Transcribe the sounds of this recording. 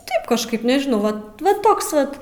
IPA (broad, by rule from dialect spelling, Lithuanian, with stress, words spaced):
ˈtɐɪp kɐʃˈkɐɪp nʲɛʒʲɪˈnɐʊ ʋɐ ˈʋɐ ˈtoːks ˈʋɐt